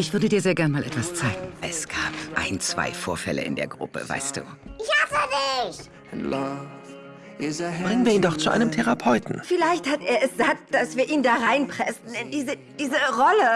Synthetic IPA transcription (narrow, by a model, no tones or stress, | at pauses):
ʔɪçv̥ʏɐdədiːɐzeːɐɡɛɐnmaːlʔɛ̰tv̥ast͡saɪɡŋ̩ʔɛsɡ̥aːpʔa̰ɪnt͡sv̥a̰ɪfoːɐfɛ̰lə̰ʔɪ̰ndeːɐɡʁʊ̰pə̰va̰ɪst̚d̥ṵːʔɪçatədɪç | b̥ʁɪŋənviːɐiːndɔχt͡suʔa̰ɪnəmtʰeʁapʰɔʏtn̩fɪlaɪçthateːɐɛsz̥aːk̚t̚d̥asv̥iːɐʔiːndaːʁaɪnpʁ̥ɛsn̩ɪndiːzəd̥iːzəʁɔlə